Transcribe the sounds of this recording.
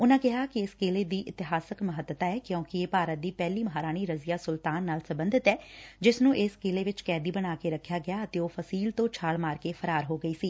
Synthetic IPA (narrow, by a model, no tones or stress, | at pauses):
ʊnãːkɪɦaːkiɪskeːleːd̪iːʔɪt̪ɪɦaːsəkməɦət̪ət̪aːɛːkjõːkieːpaːɾət̪̚d̪iːpɛːliːməɦaːɾaːñiːɾəzɪjaːsʊlt̪aːnːaːlsəbənd̪ɪt̪ɛːd͡ʒɪsnũːʔɪskeːleːʋɪt͡ʃkɛːd̪iːbənaːkeɾəkʰːjaːɡɪjaːət̪eːoːpʰəsiːlt̪õːt͡ʃʰaːɭmaːɾkeːpʰəɾaːɾɦoːɡəiːsiː